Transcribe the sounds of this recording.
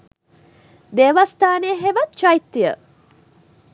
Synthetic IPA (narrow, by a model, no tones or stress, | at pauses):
d̪eʋast̪aːneːɦeʋɐt̪t͡ʃajit̪ːijə̰